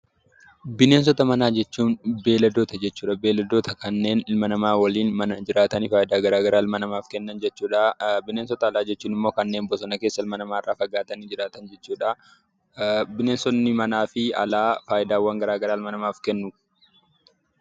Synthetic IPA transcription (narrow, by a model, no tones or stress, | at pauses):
bɪneːns̬ɔt̪ɐmɐnaːd͡ʒɛt͡ʃːuːnbe̞ːlɐd̪oːt̪ɐd͡ʒɛt͡ʃːuːᶑɐbe̞ːlɛd̪oːt̪ɐkɐnːe̞ːnɪlmɐnɐmaːwɐliːnmɐnɐd͡ʒɪɾaːt̪ɐnifaːʔɪd̪aːɡɐɾaːɡɐɾaːɪlmɐnɐmaːfkɛnːɐnd͡ʒɛt͡ʃːuːᶑɐbɪneːnsɔt̪ɐːlaːd͡ʒɛt͡ʃːuːnɪmːoːkɐnːe̞ːmbɔsɔnɐkeːsːɐɪlmɐnɐmaːɪrːaːfɐɡaːt̪ɐniːd͡ʒɪɾaːt̪ɐnd͡ʒɛt͡ʃːuːᶑɐ | bɪneːnsɔnːɪmɐnaːfɪɐ̰laːfaːʔɪd̪aːwːaŋɡɐɾaːɡɐɾaːɪlmɐnɐmaːfkɛnːʊ